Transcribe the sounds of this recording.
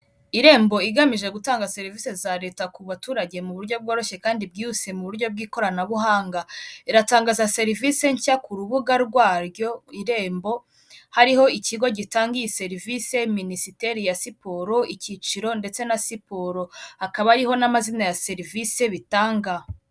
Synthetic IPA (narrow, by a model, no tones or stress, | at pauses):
iɾe̞ːmbo̞iɡamiʒe̞ɡutaːŋɡase̞ɾivise̞zaɾe̞ːtakuβatuːɾaɟe̞muβuɾɟo̞b̚ɡoːɾoʃe̞kaːndib̚ɡiːhuse̞muβuɾɟo̞b̚ɡiːko̞ɾanaβuɦaːŋɡaiɾataːŋɡaːzase̞ɾivise̞ɲcakuɾuβuɡaɾɡwaːɾɟo̞iɾe̞ːmbo̞ | haɾiɦo̞iciɡo̞ɟitaːŋɡijise̞ɾivise̞minisiteɾijasipoɾo̞ʔicit͡ʃiɾo̞nde̞t͡se̞nasipoɾo̞hakaβaɾiɦo̞namazinajase̞ɾivise̞βitaːŋɡa